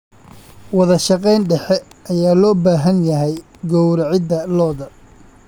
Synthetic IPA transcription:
wɑðɐʃɑqɛjnɖɛħɛʔɐjaːlɔːbaːɦɐnjɐɦɛj | ɡɔwɾʕɪd̪ɐlɔːðɐ

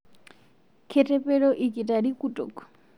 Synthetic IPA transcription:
kʰɛtʰʼɛpʼɛɺɔʔikʼitʼadikʼutʼɔ̰kʼɔ̥

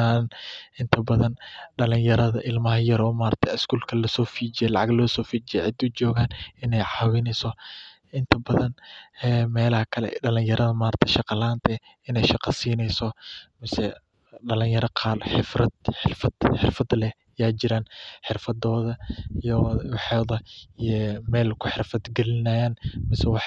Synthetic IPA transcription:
anʔɪnt̪ʰɐbɐðɐnɖɐlɪɲjɐɾɐðɐʔɪlmɐɦɐjɐɾɔːmaːɾɐt̪ʰɛɪskuːlkʰɐlɐsɔːfiːd͡ʒɪjɛlɑʕɑɡlɔːsɔːfiːd͡ʒɪjɛʕɪd̪ʊd͡ʒɔːɣaːnɪnɛjʕɑːwɪnɛsɔ | ʔɪnt̪ʰɐbɐðɐnɛːmɛːlɐhɐkʰɐlɛ̰ɖɐlɪɲjɐɾɐðɐmaːɾɐt̪ʰɛʃɑqɑlaːnt̪ʰɛ | ɪnɛjʃɑqɐsiːnɛjsɔmɐsɛ | ɖɐlɪjɐɾɐqʰɑːlħɪfrɐd̪ħɪfɐd̪ħɪrfɐd̪lɛ | jaːd͡ʒɪɾaːnħɪrfɐd̪ɔːðɐijɔwħɑːðɐ | mɛːlkʰʊħɪrfɐd̪ɡɛlɪnaːjaːnmɪsɛwɑħ

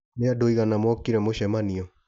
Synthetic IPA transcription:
neadoiɣanamwɔkiɾɛmoɕɛmaniɔ

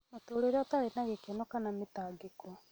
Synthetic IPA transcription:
notoːɾeɾɔtaɾenaɣekenɔkanametaːɡekɔ

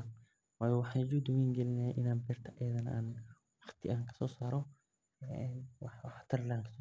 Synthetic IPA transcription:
waːjɔwɑħɑːnd͡ʒuːd̪ɔwɛjŋɡɛlɪnaʔɪnaːmbɛːrt̪ʰɐʔɛːðɐnʔaːn | wɑχt̪ʰɪ̰ʔaːŋkʰɐ̥sɔːsaːɾɔ | wħwɑħt̪ʰɐrlaːŋkʰɐ̥sɔː

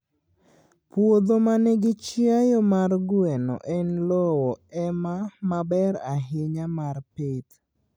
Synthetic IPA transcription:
pwod̪omanɛɡɪt͡ʃɪajɔmarɡʊɛnɔ̰ʔɛnlɔwɔɛmamabɛɾaɦɪɲamarpet̪

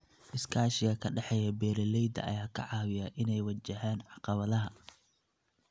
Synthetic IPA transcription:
ʔɪskʰaːʃɪɣɐkʰɐɖɛħɛjɐbɛːɾɛlɛjd̪ɐ̰ʔɐ̰jaːkʰɐ̰ʕɑːwɪjɐʔɪnɛjwɐt͡ʃːɐɦaːnʕɑqɑβɐðɐɦɐ

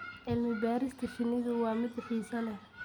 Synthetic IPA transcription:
ʔɪlmɪbaːɾɪst̪ʰɐfɪnɪɣʊwɑːmɪd̪ɪħiːsɐnɐ

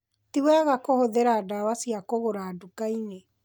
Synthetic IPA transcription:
tiwɛɣakohoðeɾaːdawasiakoɣoɾaːdukaine

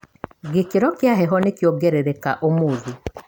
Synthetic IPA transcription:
ɡekiɾɔkjaɦɛɦɔnekjoɡeɾeɾekaʔomuːði

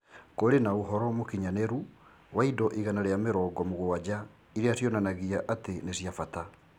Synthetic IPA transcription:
koɾenaoɦɔɾɔmokiɲaneɾu | waidɔʔiɣanaɾejameɾɔːɡɔmoɣowad͡ʑa | iɾeasjɔnanaɣiaʔatenesjafata

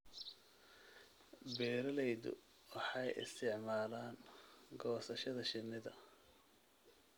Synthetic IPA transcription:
bɛːɾɐlɛjðʊ̰ | wɑħɑjɪ̰st̪ʰɪʕmaːlaːŋɡɔːsɐʃɐðɐʃɪnːɪðɐ

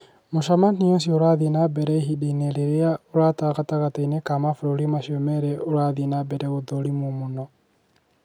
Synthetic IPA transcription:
moʃamaniosioɾaðinabɛɾɛɦiɗeneɾɛɾeaoɾaːtaɣataɣatainekamafɾoɾimaʃiomɛɾɛoɾaðinabɛɾɛɣoðoɾimomonɔ

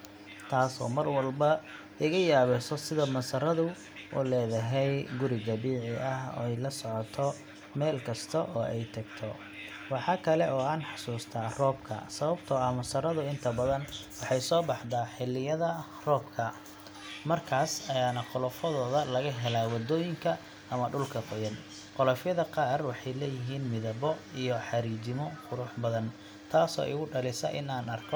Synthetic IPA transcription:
t̪ʰaːsɔ̰ːmɐrwɑlbɐ | ɪɣɐjaːβɛsɔsɪðɐmɐsɐɾɐðʊ | ʔṵːlɛːðɐɦɛjɡʊɾɪɣɐβiːʕɪʔɐhɔ̰ːɛjlɐsɔʕɔt̪ʰɔ | mɛːlkʰɐst̪ʰɐʔɔːʔɛjt̪ʰɐɡt̪ʰɔ | wɑħɑːkʰɐlɛʔɔːaːnħɑsuːst̪ʰaːrɔːbkʰɐ̰sɐβɐbt̪ʰɔɐmɐsɐɾɐðʊɪnt̪ʰɐbɐðɐnwɑħɑjsɔːbɑħd̪aːħɪlːɪjɐðɐ | rɔːbkʰɐ | mɐrkʰaːsɐjaːnɐqɔlɔfɔðɔːðɐlɐɣɐɦɛlaːwɐd̪ɔːjɪŋkʰɐ | ɐmɐɖʊlkʰɐqɔjɐn | qʊlɔfjɐðɐqɑːrwɑħɑjlɛːjɪɦiːnmɪðɐβɔijɔħɑɾiːt͡ʃɪmɔqʊɾʊħbɐðɐn | t̪ʰaːsɔ̰ːʔɪ̰ɣʊɖɐlɪsɐ̰ʔɪnaːnɐrkʰɔ

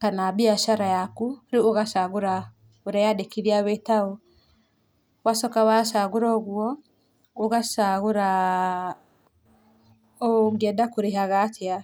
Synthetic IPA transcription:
kanabiaʃaɾajakuɾioɣasaɣuɾa | oɾajadekiɾiaβɛtaɔ | wasɔkawasaɣuɾɔɣwɔ | oɣasaɣoɾa | oɡɛdakuɾeɦaɣatʰia

